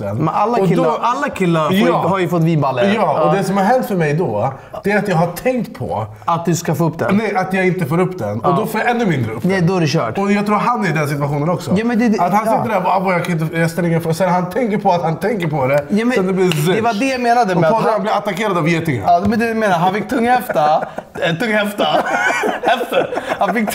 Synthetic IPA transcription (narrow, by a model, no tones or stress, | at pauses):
ɛnmɛalːaɪlɔʔalːakʰɪlːaɾhaɾjəfɔt̪ːvibalːəjɑːɔd̪ɛsɔmhaɾɦɛnt̪fœɾmɛjd̪ɔ | d̪̥ɛːɾat̪jɑːɡɦaʈʰɛŋkt̪pʰɔ̰ | at̪̚d̪ɵskafoːɵpːd̪ɛ̰nɛjat̪jɑɡɪnt̪əfoːɾɵpːd̪ɛ̰nɔd̪ɔfːɛnːʉmɪnd̪ɾənɛd̪ɔːæɾɛɕœ̰ːʈɔjɑɡt̪ʰɾuːɾɦanːæɾɪd̪ɛns̬ɪt̪vaɧuːnənɔksɔjɑːmɛnd̪ɛat̪hansɪt̪ːəɾæɾvavɔjɑkʰanɪnt̪əjaɡst̪ɛlɪŋːənfoːɡsɛhɦant̪ʰɛŋkəɾpʰɔat̪hant̪ʰɛŋkəɾpʰɔd̪ɛjɑːmɛɛd̪ɛb̪id̪ɛvad̪ɛjameːnad̪əɛɔanblɪɾat̪akeːɾad̪avjet̪ɪŋə̰nɑmɛnd̪ɛmeːnaɦanfɪk̚ːt̪ʰɵŋːhɛft̪at̪ʰɵŋːhɛft̪a | ɛft̪əɾhanfɪkː